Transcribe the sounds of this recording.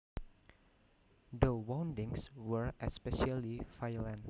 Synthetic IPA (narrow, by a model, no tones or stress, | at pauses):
d̪əwãwndɪ̃ŋswəɹʔɛspɛʃalifajəlɛ̃n